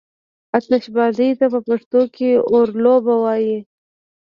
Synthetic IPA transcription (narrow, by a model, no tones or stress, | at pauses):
ɐt̪nɐɕbaːzit̪ɐpɐpɐʂt̪õːkeoːɾloːbɐwaːje